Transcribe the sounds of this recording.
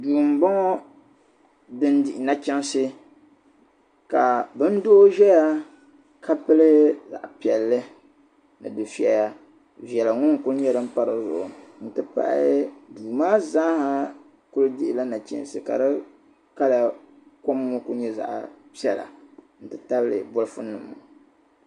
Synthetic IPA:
duː˨m̩˨bɔ˦ŋɔ˦ | dɨ˦n˦dɪ˨ʔɪ˨na˦t͡ʃɛ˦n˦sɨ˦ | ka˨bɨ˦n̩˦doː˦ʒɛ˦ja˦ | ka˦pɨ˦lɨ˦hza̰˨ʔpi˨ɛ˨lːɨ˦ | nɨ̰˨dɨ˨fi˨ɛ˨ja˦ | vi˨ɛ˨la˨ŋʊ˦n˨kʊ˦ɲɛ˦ɾɨ˦m̩˦pa˦ɾɨ˨zʊ̰˨ʔʊ̰˨n̩˨tɨ˦pa̰˨ʔɪ̰˦duː˨maː˦za˦ha˦ | kʊ˦lɨ˦dɪ˦ʔɪ˨la˦na˨t͡ʃɛ̰˦n˨sɨ˨ka̰˨dɨ˦ | ka˦la˨ | ko˦mːʊ˦ku˦ɲɛ˦za̰˨ʔpi˦ɛ˦la̰˨ | n̩˨tɨ˨ta˦blɨ̰˨bʊ˦lɨ˦fʊ˦nɨ˨mʊ˨

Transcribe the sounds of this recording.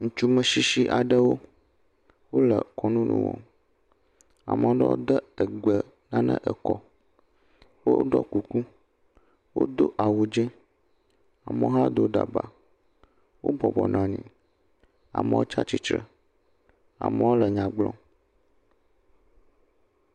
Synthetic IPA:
ŋ̩̃˨t͡ʃu˦mə̃˨ʃi˦ʃi˦ʔa˨ɖə˦wo˦ | wo˦lə˨kɔ˨nũ˦nṵ̃˨wɔ̰̃˨ | a̰˨mə̃˨o˦ɖə˦wo̰˦d̪ə˦ə˨ɡ͡bə˨ | nã˦nə̰̃˦ʔə˨kɔ˦ | wo˦ɖɔ˦ku˨ku˦ | wo̰˦d̪o˦ʔa˨wu˨d͡ʒɛ̃˦ | a˨mə̃˦ɦa˦d̪o˦ɖa̰˨ba˨ | wo̰˦bɔ˨bɔ˨nã˨ɲḭ̃˨ | a̰˨mə˨wo˦t͡ʃa˦t͡ɕi˦t͡ʃɾə˨ | a̰˨mə̃˦wo˦lə˨ɲã˨ɡ͡blɔ̃˦

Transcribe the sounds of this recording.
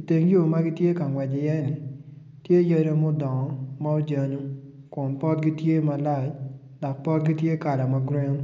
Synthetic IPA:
i˨te˨ŋɡi˦o˨ma˦ɡi˦tje˦ka˨ŋwɛ˨d͡ʒɪ˨jɛ˦ni˨ | tje˦je˦ɾo˦mo˦dɔ˨ŋɔ˦ma˦o˦d͡ʒa˨˧nu˦ | ko˨npɔ˦tɡi˦tje˦ma˧la˦˨d͡ʒ | dɔ˨k̚pɔ˦t̚ɡi˦tje˦ka˨da˨ma˧ɡɾɛ˦ŋ˦

